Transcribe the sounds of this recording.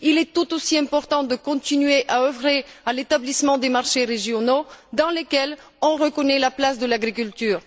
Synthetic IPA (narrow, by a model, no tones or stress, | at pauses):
ilɛt̪ut̪osiɛ̃pɔʁt̪ɑ̃d̪əkɔ̃t̪inɥeʔaøvʁealet̪ablismɑ̃d̪emaʁʃeʁeʒjɔnod̪ɑ̃lekʲɛl | ɔ̃ʁəkɔnɛlaplasd̪əlaɡʁikylt̪yːʁ